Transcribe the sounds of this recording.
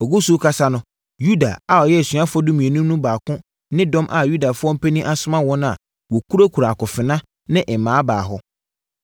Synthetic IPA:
ɔ˨ɡu˦su˦kʰa˦sa˦nʊ̃˦ | ju˦da̰˨a˨ɔ˨jɛ˦˨sɥa˦fɔ˦dũ˦mĩ˨e˨nũ˦nũ˦baː˨kʊ̃˦ | nɪ̃˦dɔ̃˦mʔa˨ju˦da˨fʊ˦ɔ˦m̩˦pʰe˦nĩ˦ʔa˦sʊ˦mã˦wɔ̃˦nʊ̃˦a̰˨ | wɔ˨kʰu˦ɾa˦kʰu˨ɾa˨a˨kʊ̃˨fɪ˨nã˦ | nɪ̃˦ʔɛ˨mãː˨˦baː˨ɦɔ˦

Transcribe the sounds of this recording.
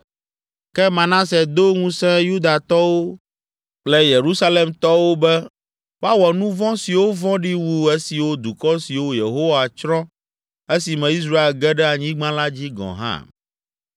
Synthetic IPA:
kɛ˦mã˨nã˦sɛ˨d̪o˦ŋũ˦sɛ̃˦ju˦d̪a˨t̪ɔ˦wo˦ | k͡plɛ˨je˨ɾu˦sa˦le˨mt̪ɔ˦wo˦bɛ˦ | wa˦wɔ˨nũ˦vɔ̃˦si˨wo˦vɔ̃˦ɖi˦wu˦e˦si˨wo˦d̪u˨kɔ˦si˨wo˦je˨ɦo˦wa˨t͡ʃɾɔ̃˦ | e˦si˨mɛ̃˨i˦s̬ɾa˦e˨lɡɛ˦ɖɛ˦a˨ɲĩ˦ɡ͡bã˦la˦d͡ʑi˦ɡɔ̰̃˨ɦã̰˦

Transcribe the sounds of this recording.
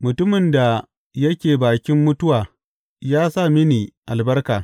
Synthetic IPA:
mʊ˨tʊ˦mɪ˨nda˨ | jɐ˦kʲeː˨baː˨kʲɪ˦mːʊ˦tʊ˦waː˨ | jaː˦sa˦˨mɪ˦niː˨ʔa˨lbɐ˦rkaː˨

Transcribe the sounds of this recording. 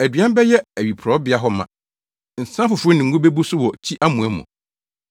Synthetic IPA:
æ˨dɥã˦m˦bɛ˦jɛ˦æ˨ɥi˨pʰɔ˦bɪ˨˦a˦ɦɔ˦mã̰˨ | n̩˨sã˦fʊ˨fʊ˨˦ʊ˦nɪ̃˨ŋ˦ɡʊ̃˦be˦bu˦sʊ˦wɔ˨t͡ɕʰi˦ʔa˦mũ˨ɛ˦mʊ̰̃˨

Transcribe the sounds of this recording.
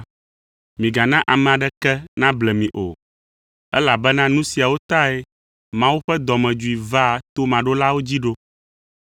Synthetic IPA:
mĩ˨ɡa˨nã˦ʔa˨mɛ̃˨a˨ɖɛ˦kɛ˦nã˦blɛ˨mĩ˨ʔo˨ | ɛ˦la˨bɛ˦nã˦nũ˦si˨a˨wo˦t̪a˦e˦ | mã˦wu˦ɸɛ˦d̪ɔ˨mɛ̃˨d͡ʒu˨i˨va˦˨t̪o˦mã˨ɖo˦la˦wo˦d͡ʑi˦ɖo˦

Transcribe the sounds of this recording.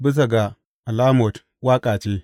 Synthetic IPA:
bə˦s̬a˨ɡa˨ | a˨la˦mo˨t | wa˦kʼa˨t͡ʃe˦

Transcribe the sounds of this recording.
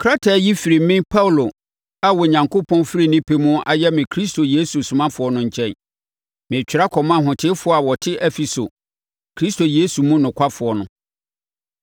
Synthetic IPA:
kʰɾa˦tʰa˨ji˦fi˨ɾi˨m˦mɪ̃˦pʰa˦wlo˨ | a˨wɔ˨ɲã˨ŋkʰo˦pʰɔ̃˦nfɾi˨nɪ̃˦pʰe˦mũ˦ʔa˨jɛ˦mɪ̃˨kʰɾi˦stʰo˨je˦su˨sʊ̃˨mã˦fʊ˨ɔ˦nʊ̃˦ɲ̩˨t͡ɕʰɛ̃˦n | mɪ̃˨t͡ɕᶣɪ˨ɾa˦kʰɔ˨mã˦˨ɦʊ̃˨tʰɪ˦fʊ˨˦ɔ˦a˨wɔ˨tʰɪ˦ʔɛ˦fi˨so˨ | kʰɾi˦sto˨je˦su˨mũ˦nʊ̃˨kʷʰa˦fʊ˨ɔ˨nʊ̃˦

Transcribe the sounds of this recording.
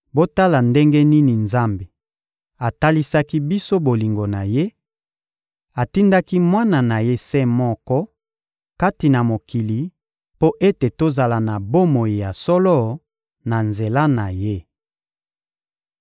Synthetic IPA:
bo˦ta˦la˨nde˦ŋɡe˦ni˦ni˨nza˦mbe˨ | a˨ta˦li˦sa˦ki˦bi˦so˦bo˨li˨ŋɡo˨na˨je˦ | a˨ti˦nda˦ki˦mwa˦na˨na˨je˦sɛ˦mɔ˦kɔ˦ | ka˦ti˨na˨mo˨ki˨li˨ | po˦ʔe˦te˨to˦za˨la˨na˨bo˦mo˨ji˨ja˨sɔ˦lɔ˦ | na˨nze˨la˦na˨je˦

